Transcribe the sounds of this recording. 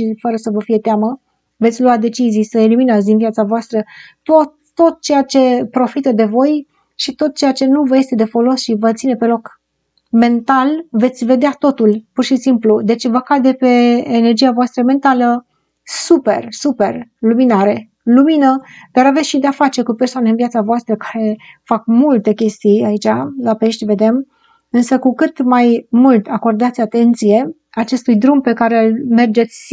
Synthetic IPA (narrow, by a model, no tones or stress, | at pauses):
ʃifəɾəsəvəfije̞t̪eamə | ve̞t̪sʲluat̚d̪e̞t͡ʃizijsəeliminat̪s̬ʲd̪invijat̪savoast̪ɾət̪oː | o̞t̪̚t͡ʃe̞jat͡ʃe̞pɾo̞fit̪əd̪e̞vo̞j | ʃit̪o̞t̪̚t͡ʃe̞jat͡ʃe̞nuvəje̞st̪ed̪e̞fo̞lo̞sʃivət̪sine̞pe̞lo̞k | me̞nt̪alve̞t̪sʲve̞d̪eat̪o̞t̪ulpurʃisimplud̪e̞t͡ʃvəkad̪epe̞ːne̞rd͡ʒijavoast̪ɾəme̞nt̪alə | supe̞̰rsupe̞rluminaɾe̞ | luminəd̪̥aɾavesʃid̪eafat͡ʃe̞kupersoaneɨnvjat̪savoast̪ɾəkḁɾe̞fakmult̪e̞kʲe̞st̪ijait͡ʃalape̞ʃt̪ʲve̞d̪e̞m | ɨnsəkukɨt̪majmult̪ako̞rd̪at̪sʲat̪e̞nt̪sije̞ | at͡ʃe̞st̪ujd̪ɾumpe̞kaɾelme̞rd͡ʒe̞t̪sʲ